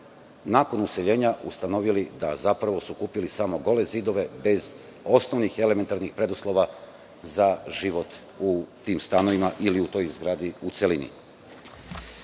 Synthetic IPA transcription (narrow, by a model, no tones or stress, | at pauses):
naːko̞nuse̞ʎe̞ːɲaʔṵst̪ano̞ʋilid̪a̰zapɾaʋo̞sukuːpilisamo̞ɡo̞le̞ziːd̪o̞ʋe̞be̞z | o̞sno̞ʋnixe̞le̞me̞nt̪aɾnixpɾe̞d̪uslo̞ʋa | zaʒiʋo̞t̪ | ut̪iːmst̪ano̞ʋimaʔiliut̪o̞jzɡɾaːd̪iut̪se̞linḭ